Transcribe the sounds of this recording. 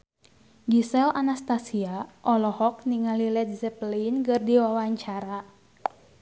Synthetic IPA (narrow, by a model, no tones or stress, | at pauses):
ɡisɛlʔanast̪asiaʔɔlɔhɔk̚niŋalilɛdisɛplinkɨrdiwawaɲt͡ʃaɾa